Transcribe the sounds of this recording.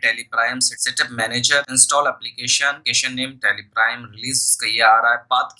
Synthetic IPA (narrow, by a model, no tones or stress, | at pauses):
ʈeːlipɾaːɪmsɪʈsɪʈɪbmɛːned͡ʒəɾɪ̃nsʈɔːlɛplikeːʃənkeʃənːeːmʈelipɾaːɪmɾɪliːskɐjaːɾaːjpaːt̪k